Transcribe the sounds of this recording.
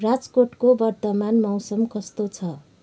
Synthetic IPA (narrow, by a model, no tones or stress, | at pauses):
rad͡zkoʈkobʌrt̪ʌmanmʌwsʌmkʌst̪ot͡sʰʌ